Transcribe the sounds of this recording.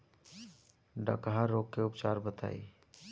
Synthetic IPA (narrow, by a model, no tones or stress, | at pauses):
ɖə̰kɦaɾoːkːeʊpt͡ʃaːɾbət̪a̰ːḭː